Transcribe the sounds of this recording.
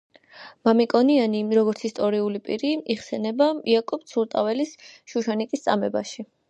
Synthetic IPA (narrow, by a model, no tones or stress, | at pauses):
mamikʼɔnianiɾɔɡɔɾt̪sʰist̪ʼɔɾiulipʼiɾiiχsɛnɛbaiakʼɔp̚t̪sʰuɾt̪ʼavɛlisʃuʃanikʼist̪sʼamɛbaʃi